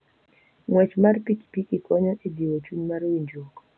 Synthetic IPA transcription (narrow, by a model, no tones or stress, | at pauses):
ŋwɛt͡ʃmarpikpikɪkɔɲɔʔediwot͡ʃuɲmarwiɲd͡ʒokɔ